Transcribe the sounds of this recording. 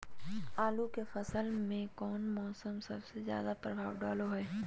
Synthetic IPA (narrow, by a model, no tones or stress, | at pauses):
aːlukefɐsəlmẽkɔːnmɔːsəmsɐ̰bsezja̰ːd̪apɾɐbʱaːʋwɖaːloɦɛː